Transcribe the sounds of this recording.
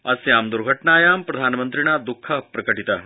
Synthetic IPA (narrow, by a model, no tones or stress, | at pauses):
ɐsjaːmd̪uɾɡʱɐʈɳaːjaːmpɾɐd̪ʱaːnmənt̪ɾiɳ̃aːd̪ukʰːapɾɐkɐʈit̪a